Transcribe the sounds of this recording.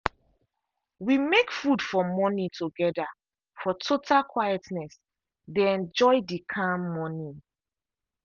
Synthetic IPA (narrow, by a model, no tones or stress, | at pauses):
wimekfudfɔmɔnitʰuɡɛda | fɔtʰotʰalkʰwajɛtnɛs | deɛ̃nd͡ʒɔɪdikʰãmːɔni